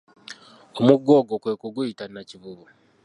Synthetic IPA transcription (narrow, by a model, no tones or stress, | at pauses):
omuɡːoːɡokweːkuɡuitanaciβuβu